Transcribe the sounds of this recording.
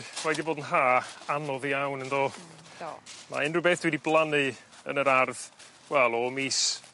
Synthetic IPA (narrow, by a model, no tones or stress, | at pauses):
wɛdiboːdn̩ɦaːanɔðiawnənðoː | ma̰ɪnrɨbeːθd̥widiblˠanɨ | ə̰nəɾarð̥ | wɛlˠɔmiːs